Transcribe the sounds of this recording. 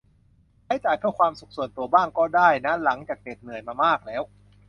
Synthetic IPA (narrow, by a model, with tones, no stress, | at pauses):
kaː˦˥jt͡ɕaː˨˩jpʰɯ˥˩kʰwaː˧msu˨˩k̚su˨˩ənt̪u˧ɐbaː˥˩ŋkɔː˥˩daː˥˩jna˦˥la˩˦ŋt͡ɕaː˨˩k̚deː˨˩t̪̚nɯ˨˩əjmaː˧maː˥˩k̚lɛː˦˥w